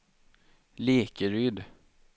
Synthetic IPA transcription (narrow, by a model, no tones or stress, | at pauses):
leːkəɾʏd̪